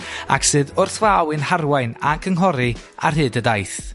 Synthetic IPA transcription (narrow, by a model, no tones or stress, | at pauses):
a̰ksɨːðʊrθvawɨnharwajnakʰəŋɦɔɾɨ | a̰rɦɨːdədajθ